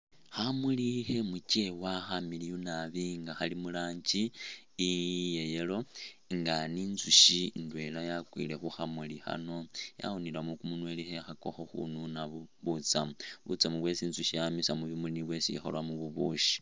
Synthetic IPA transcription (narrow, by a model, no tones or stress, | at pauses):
xamulihe̞mucewaxamilijunaβiŋɡaxalimulaːɲɟiː | jejelo̞ | ŋɡaninzuʃindwe̞lajakwḭle̞xuxamulixa̰no̞ja̰onilamukumunwe̞lixexako̞̰xoxṵnunaβuβut͡samuβṵt͡samuβwe̞sinzuʃijamisamuβimuniβwe̞sixo̰lwamuβuβuʃi̥